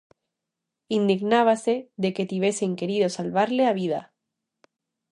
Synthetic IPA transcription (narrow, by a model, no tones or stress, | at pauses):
ind̪iɣnaβ̞ase̞ðe̞ke̞t̪iβe̞seiŋke̞ɾiðo̞salβaɾle̞aβ̞iða̰